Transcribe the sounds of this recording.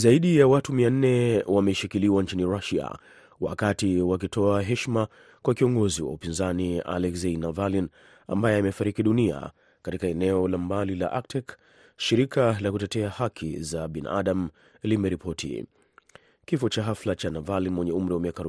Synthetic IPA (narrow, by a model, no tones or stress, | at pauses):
zaiɗijawatumian̩nɛwamɛʃikiliwant͡ʃiniɾaʃia̰ | wa̰katiwak̬itʰɔaɦɛʃma | kwakiɔŋɡɔziwa̰upinzania̰lɛkseinavalin | a̰mbajɛamɛfaɾikiɗunia̰ | katikaɛnɛɔlambalila̰ʔak̚tɛk | ʃiɾikʰalakutɛtɛahakʰḭzaɓina̰ʔaɗam̩ | limɛɾipʰɔtʰḭ | kifɔt͡ʃaɦaflat͡ʃanavalinwɛɲɛum̩ɾiwamiakaɾu